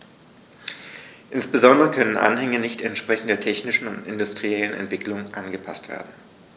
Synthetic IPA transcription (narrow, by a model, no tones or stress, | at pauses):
ʔɪnsb̥əzɔndəʁəkʰœnənʔa̰nhɛŋənɪçtɛntʃpʁ̥ɛçn̩tdeːɐtʰɛçnɪʃn̩ʊntʔɪndʊstʁ̥iɛlənɛ̰ntv̥ɪkʰlʊŋʔanɡəpʰa̰stv̥ḛːɐdn̩